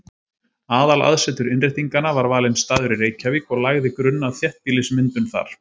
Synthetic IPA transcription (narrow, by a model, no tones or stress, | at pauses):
aːðala̰ðsɛt̪ʏɾɪnrɪjht̪iŋkanavaɾvaːlɪmst̪aːðʏɾiɾeːjcaviːkɔɣlaɣðɪkɾʏnːaðθjɛht̪̚piːlɪsmɪnt̪ʏmθa̰ɾ̥